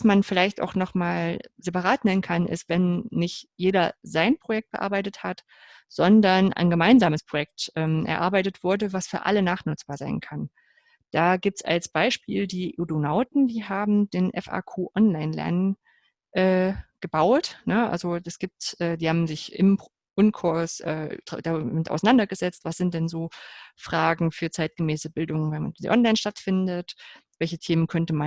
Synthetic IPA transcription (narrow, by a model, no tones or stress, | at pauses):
vasmanfɪlaɪçta̰ʊxnɔχmaːlzepaʁaːtnɛnənkʰanʔɪ̰stv̥ɛnːɪçtjeːdɐzaɪnpʁ̥ojɛk̚t̚b̥əʔa̰ɐbaɪtəthat | z̥ɔndɐnʔa̰ɪnɡəmaɪnzaːməspʁ̥ojɛk̚tʔɛːmʔɛ̰ɐʔa̰ɐbaɪtətv̥ʊɐdəvasfyːɐʔa̰lənaːχnʊt͡sb̥aːɐza̰ɪnkʰan | d̥aːɡiːp̚tsa̰lsb̥aɪʃpiːldiːʔodonaʊtn̩diːɦaːbm̩deːnʔɛ̰fa̰ːkʰuːʔɔnlaɪnlɛ̰ɐnən | ʔɛːɡ̥əbaʊtnəʔa̰lzoɛsɡ̥iːp̚tʔɛːdiːhaːbm̩zɪçʔɪ̰m | ʔʊnkʰʊɐsʔɛ̰ːd̥d̥amɪtʔa̰ʊsanandɐɡəzɛt͡stv̥asz̥ɪntd̥ɛnzoːfʁ̥aːɡŋ̩fyːɐt͡saɪt̚ɡ̥əmɛːsəbɪldʊŋvɛnmanzḭʔɔ̰nlaɪnʃtatfɪndətv̥ɛlçətʰeːmənkʰœntəman